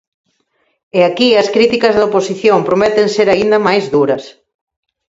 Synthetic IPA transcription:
ɛakiɐskɾit̪ikɐzðɐoposiθjompɾomɛt̪enseɾaind̪ɐmajzðuɾɐs

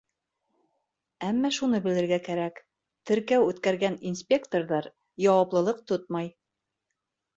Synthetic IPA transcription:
æmːæʃunɤbɘ̆lɘ̆ɾɡækæɾæk | t̪ɘ̆ɾkæwʉt̪kæɾɡæninspʲekt̪orðɑɾ | jɑwɑplˠɤ̆lˠɤq̚t̪ot̪̚mɑj

